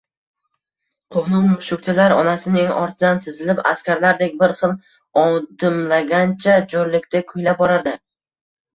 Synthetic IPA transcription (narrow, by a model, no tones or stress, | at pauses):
qʰoqnˠʊlˠmʊʃʊkʲt͡ʃ̪ʰɪlaɾɒ̰nasɪnɪŋɒ̰ɾt̪ʰɪd̪ant̪ʰɪzɪlɪpa̰skʲʰaɾlaɾd̪ekʲbɪɾχɨlˠ | ɒd̪ɪmlaɡʲant͡ʃʰad͡ʒoɾlɪkʲt̪ʰakʰʊjlap̚bɒɾaɾd̪ɪ